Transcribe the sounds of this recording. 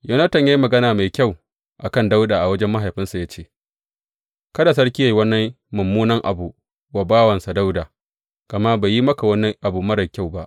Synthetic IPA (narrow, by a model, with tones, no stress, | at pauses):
jɐ˦nɐ˦tɐ˨ɲja˦ji˦mɐ˨ɡɐ˦naː˨ma˨jkʲa˦˨w | ʔa˨kɐ˦˨nda˦wdaː˨ʔa˨wɐ˦d͡ʒɛ˦mːɐ˦ɦa˨jɸɪ˦nsa˨ja˦t͡ʃeː˦˨ | kɐ˦da˨s̬ɐ˦ɽkʲi˦ja˨wɐ˦nːɐ˦ | mʊ˨mːuː˦nɐ˦ŋʔa̰˨bu˨ | wa˨baː˦wɐ˨nsa˨da˦wdaː˨ | kɐ˨ma˦ba˨ji˦mɐ˦ka˨wɐ˦nɐ˦ŋʔa˨buː˨mɐ˦ɾɐ˨kʲa˦˨wba˦ʔ